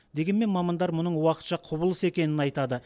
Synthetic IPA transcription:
d̪e̞ɡʲe̞nme̞nmɑmɑnd̪ɑɾmʊnəɴwɑqə̥t̪ʃɑqʰʊbəlˠəse̞kʲe̞nɪnɑjt̪ɑd̪ə

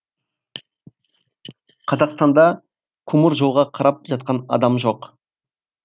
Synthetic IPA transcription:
qʰɑzɑqst̪ɑnd̪ɑ | kʰʊmʊɾʒolˠʁɑqʰɑɾɑp̚ʒɑt̪̚qɑnɑ̰d̪ɑmʒo̞q

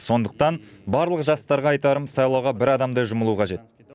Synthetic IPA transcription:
so̞nd̪əq̚t̪ɑnbɑɾlˠəqʒɑst̪ɑɾʁɑːjt̪ɑɾəmsɑjlˠɑwʁɑbɪɾɑd̪ɑmd̪ɑjʒʊməlˠuqʰɑʒe̞t̪̚

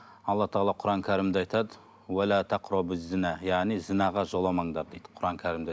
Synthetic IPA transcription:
ɑlˠːɑt̪ʰɑɑlˠɑqʰʊɾɑŋkʲʰæɾɪmd̪ɪɑjt̪ɑd̪ə | wælat̪ʰaqɾʊbɪzːɪnæjɑʁnijzɪnɑʁɑʒolˠɑmɑɴd̪ɑɾd̪ejd̪̥ə̥qʰʊɾɑŋkʲʰæɾɪmd̪ɪ

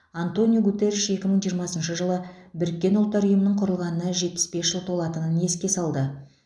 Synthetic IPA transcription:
ant̪o̞nijoɡut̪eɾiʃe̞kʲɪməɴʒijəɾmɑsənʃəʒəlˠəbɪɾɪkʲːe̞nʊlˠt̪ːɑɾʏjəmənəɴqʰʊɾəlˠʁɑnənɑʒe̞t̪̚pɪ̥sbe̞sʒ̥əlˠt̪ʰo̞lˠɑt̪ənəne̞skʲe̞sɑlˠd̪ə

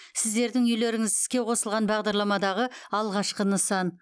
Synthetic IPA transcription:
sɪzd̪e̞ɾd̪ɪŋʏjle̞ɾɪŋɪzɪ̥skʲeqʰo̞səlˠʁɑnbɑʁd̪ɑɾlˠɑmɑd̪ɑʁəɑlˠʁɑʃqənəsɑn

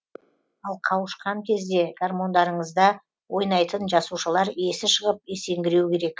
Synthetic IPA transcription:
ɑlˠqʰɑwəʃqɑŋkʲʰe̞zd̪e̞ɡ̥armo̞nd̪ɑɾəɴəzd̪ɑ | wo̞jnɑjt̪ənʒɑsuʃəlˠɑɾe̞sɪʃəʁəp̚e̞se̞ŋɡʲɪɾewkʲʰe̞ɾe̞k

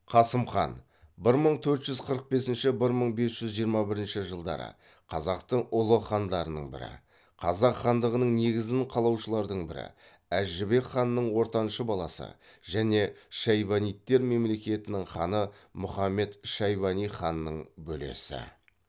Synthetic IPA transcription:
qʰɑsəmχɑ̰n | bɪɾməɴt̪ʰɵɾt̪ʒʏzqʰəɾəq̚be̞sɪnʃɪbɪɾməɴbe̞sʒ̥ʏzʒijəɾmɑbɪɾɪnʃɪʒəlˠd̪ɑ̰ɾə̰ | qʰɑzɑqt̪əɴʊlˠəχɑnd̪ɑɾənəɴbɪ̰ɾɪ̰ | qʰɑ̰zɑqχɑnd̪əʁənəɴne̞ɡʲɪzɪnqʰɑlˠɑwʃəlˠɑɾd̪əɴbɪɾɪ̰ | æʒʒɪbe̞kχɑnːəɴwo̞ɾt̪ɑnʃəbɑlˠɑsə̰ʒæne̞ʃɑjbɑnijt̪ːe̞ɾme̞mle̞kʲe̞t̪ɪnɪŋχɑ̰nəmʊχɑmːe̞t̪ʃɑjbɑnijχɑnːəɴbɵlḛsɪ̰

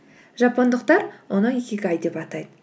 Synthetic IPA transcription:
ʒɑpond̪əqt̪ɑɾwʔonəekʲekʲɑjd̪e̞pɑt̪ɑjd̪ə

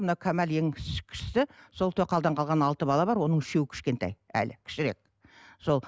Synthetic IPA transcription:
mənɑwkʲʰæmæljeŋkʲʰɪ̥ʃɪ̥st̪ɪso̞lˠt̪ʰɵqʰɑlˠd̪ɑɴqʰɑlˠʁɑnɑlˠt̪əbɑlˠɑbɑɾwo̞nəɴɪʃe̞wɪkʲʰɪ̥ʃkʲe̞nt̪ɑ̰jæ̰lɪkʲʰɪ̥ʃɪɾe̞k̚ | so̞lˠ

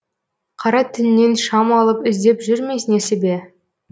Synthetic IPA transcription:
qʰɑɾɑt̪ʰɪnne̞nʃɑmɑlˠəpɪzd̪e̞pʒʏɾmejsɪnesebe

